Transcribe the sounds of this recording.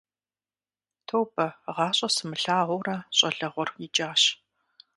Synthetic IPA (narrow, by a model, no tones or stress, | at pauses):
tʰowbɐʁɑːɕʼɐsɨmɨɬaːʁʷʊrɐɕʼɐɮɐʁʷɔrjit͡ʃʼaːɕ